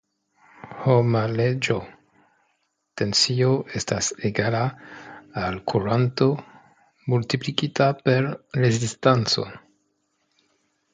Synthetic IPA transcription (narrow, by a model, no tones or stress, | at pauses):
homaled͡ʒo | te̞nsio̞ʔe̞staseɡala | alkʰuɾanto̞ | mult̪iplikitape̞ɾɾezistant͡so̞̰